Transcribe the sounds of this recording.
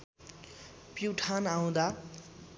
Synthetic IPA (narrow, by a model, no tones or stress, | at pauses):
piwʈʰanaw̃d̪a